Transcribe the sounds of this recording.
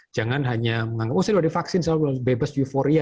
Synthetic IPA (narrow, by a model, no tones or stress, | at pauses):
d͡ʒaŋanɦaɲaməŋaŋɡap̚wosadbadifaksɪnsalabebasufoɾia